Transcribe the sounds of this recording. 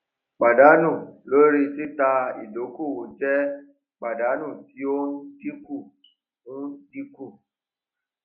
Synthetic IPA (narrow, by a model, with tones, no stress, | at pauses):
k͡pa˨da˨˦nũ˦˨lo˨˦ɾi˦ti˦ta˧ḭ˨do˨˦ku˦˨wo˨d͡ʒɛ˦ | k͡pa˨da˨˦nũ˦˨ti˨˦o˦n̩˦di˦ku˦˨ | u˦n˦di˦ku˦˨